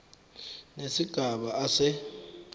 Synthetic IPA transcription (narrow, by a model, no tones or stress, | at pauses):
nesiɡ̥ʱaɓaasɛ